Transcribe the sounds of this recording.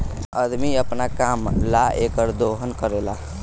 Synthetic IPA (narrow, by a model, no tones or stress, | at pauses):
əd̪miəpnakamlaekəɾd̪oɦənkəɾela